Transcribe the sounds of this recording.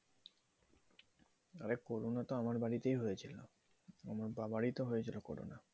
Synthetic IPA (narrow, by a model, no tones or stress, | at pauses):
aɾekoɾonat̪oamaɾbaɽit̪ejɦojet͡ɕʰilo | a̰maɾbabaɽit̪oɦojet͡ɕʰiloko̰ɽo̰na